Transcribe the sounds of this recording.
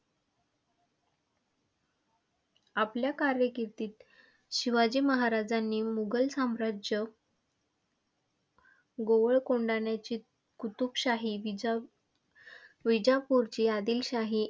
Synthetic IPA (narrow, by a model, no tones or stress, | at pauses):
apljakaɾjəkiɾt̪iːt̪ | ɕiʋad͡ʑiːməɦaɾad͡zanːiːmuɡəlsamɾad͡ʑə | ɡoʋəɭkoɳɖaɳjat͡ɕiː | kut̪upɕaɦiʋ | ʋid͡ʑapuɾt͡ɕiːad̪iːlɕaɦi